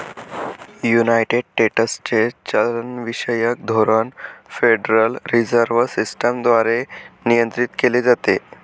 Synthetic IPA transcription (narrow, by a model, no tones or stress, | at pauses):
junajʈeɖ̚ʈeʈəst͡ɕet͡ɕələnʋiɕəjək̚d̪ʱoɾənfeɖɾəlɾid͡zəɾʋsisʈəmd̪ʋaɾenijənt̪ɾit̪keled͡zat̪e